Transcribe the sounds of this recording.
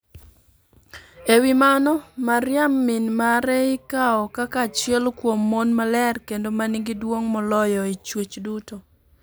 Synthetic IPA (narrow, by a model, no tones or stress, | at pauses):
ewimanɔmaɾjamːinmaɾɛɪkaɔkakat͡ʃjɛlkwomːonmalɛrkendomaniŋɡidwoŋmɔlɔjɔit͡ʃwet͡ʃduto